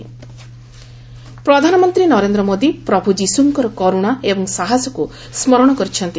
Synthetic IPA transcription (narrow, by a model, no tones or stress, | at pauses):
pɾɔd̪ʱanɔmɔnt̪ɾinɔɾend̪ɾɔmod̪ipɾɔbʱud͡ʒisuŋkɔɾɔkɔɾuɽ̃aebɔŋsaɦasɔku | smɔɾɔɽ̃ɔkɔɾit͡ʃʰɔnt̪i